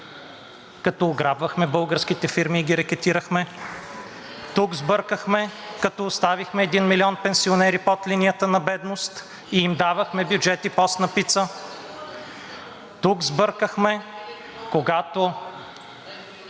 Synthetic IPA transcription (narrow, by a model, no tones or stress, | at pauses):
kɐt̪ɔːɡɾabvəxmɛbɤlˠɡəɾsk̟it̪ɛfiɾmiːɡiɾɛkɛt̪iɾəxmɛ | t̪ukzbɤɾkəxmɛkɐt̪ɔːst̪avixmɛːd̪inmiliɔnpɛnsionɛɾipɔt̪linijət̪ənɐbɛd̪nost̪ | iimd̪avəxmɛbjʊd͡ʒɛt̪ipɔst̪nɐpit̪sə | t̪ukzbɤɾkəxmɛ | koɡat̪o